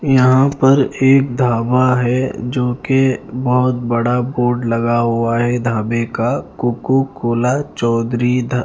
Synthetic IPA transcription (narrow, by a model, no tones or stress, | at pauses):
jɐɦãpɐɾeːk̚d̪ʱaːbaɦɛd͡ʒoːkebɔɦʊt̪bɐɽaboːɾɖlɐɡaɦʊaɦɛd̪ʱaːbekakʊkukoːlat͡ʃɔːd̪ɾid̪ʱ